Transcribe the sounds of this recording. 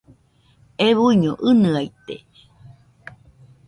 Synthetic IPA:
eβuiɲo̰ʔɨnɨait̪ḛ

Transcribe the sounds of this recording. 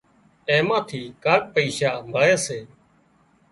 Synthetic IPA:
eːmãːt̪ʰiːkaːk̚pəiːʃaːmʱəɭeːseː

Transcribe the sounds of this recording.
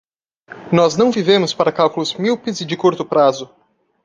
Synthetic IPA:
nɔznɐ̃w̃vivẽmʊspaɾɐkawkʊlʊzmiwpɪzɪd͡ʒɪkuɾt̪ʊpɾazʊ

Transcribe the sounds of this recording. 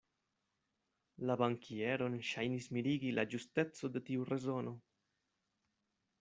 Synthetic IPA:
labaŋkʰieɾo̞nʃajnismiɾiɡilad͡ʒuste̞t͡so̞de̞tiurʔe̞zo̞no̞

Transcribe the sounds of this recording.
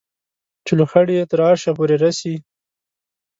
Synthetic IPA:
t͡ʃɪloxaɽijet̪əɾɑʃapoɾeɾasi

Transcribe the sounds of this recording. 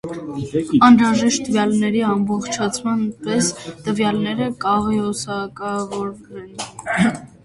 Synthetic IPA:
ɑnɾɑʒɛʃt̪̚t̪ːəvjɑlnɛɾiɑmbɔχt͡ʃʰɑt͡sʰmɑnpɛst̪əvjɑlnɛɾəkɑʁiɔsɑkɑvɔɾɾɛn

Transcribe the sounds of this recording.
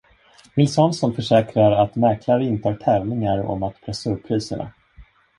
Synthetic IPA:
vɪlsɔnsɔnfœʂɛːkɾaɾat̪mæɾkʰlaɾəɪnt̪əhɑːʈʰɛːvlɪŋaɾɔ̰mat̪pʰɾɛsɵppʰːɾiːsəɳa̰

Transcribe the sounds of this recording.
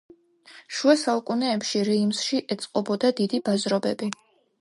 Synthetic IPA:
ʃuasaukʼunɛːpʃiɾɛimsʃiʔɛt̪sʼqʼɔbɔd̪ad̪id̪ibazɾɔbɛbi

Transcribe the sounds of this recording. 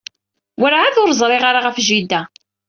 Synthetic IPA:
wəɾʕaðʊɾzˤɾˤɪʁaɾaʁəfʒid̪ːæ

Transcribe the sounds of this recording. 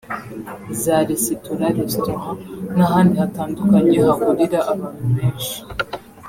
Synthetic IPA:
zaːɾisituɾaɾestohanaɦaːndihataːndukaɲehaɡuɾiɾaʔaβaːnhuβeːnʃi̥

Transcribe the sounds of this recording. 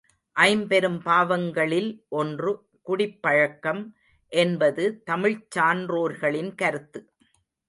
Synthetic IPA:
ʔɐɪmpɛɾɯmpaːʋɐŋɡɐɭɪlʔɔndrɯ | kʊɽɪpːɐɻɐkːɐm | ʔɛnbɐðɯt̪ɐmɪɻt͡ʃaːnroːɾɣɐɭɪnkɐɾɯt̪ːɯ

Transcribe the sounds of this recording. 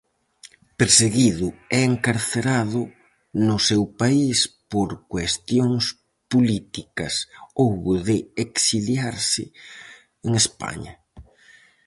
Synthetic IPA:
peɾseɣiðʊɛeŋkaɾθeɾaðʊ | nʊsewpaispoɾkwest̪joŋs | polit̪ikɐsowβʊðɪeksiljaɾsɪ̰ | eŋespa̰ɲɐ̰

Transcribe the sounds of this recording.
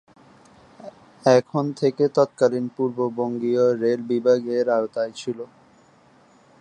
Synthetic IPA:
ɛkʰont̪ʰeket̪ɔt̪̚kalinpuɾboboŋɡioɾelbibʱaɡeɾaot̪ajt͡ɕʰilo

